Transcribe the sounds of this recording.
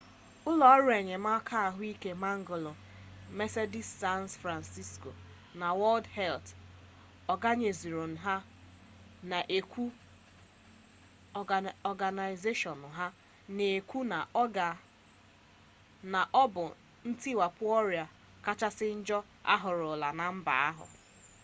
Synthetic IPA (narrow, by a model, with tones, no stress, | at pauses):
ʊ˦lɔ˦ɔ˦ɾʊ˦e˨ɲe˨ma˦kʰa˦a˨ɦʊ˦i˦ke˦ma˦ŋ̩˦ɡo˨lo˨ | me˦se˦di˦sːa˦ntfɾa˨nsi˦sko̰˨ | na˨wɔ˦ldhɛ˦lt | ɔ˨ɡa˦ɲe˨zi˨ɾo˨n̩˨ɦa˦ | na˨ʔe˨kʷu˦ | ɔ˨ɡa˨na˨ɪ˨ze˦ʃɔ˨n̩˨ɦa˦ | ne˨kʷu˦na˨ʔɔ˦ɡa˨ | na˨ʔɔ˦bʊ˨ | n̩˦ti˦wa˨pʊ˦ɔ˦ɾja˨ | ka˦t͡ʃa˦sɪ˦n̩˦d͡ʒɔ˦ | a̰˦ɦʊ˨ɾʊ˨la˨na˨m̩˦ba̰˨a˦ɦʊ̰˨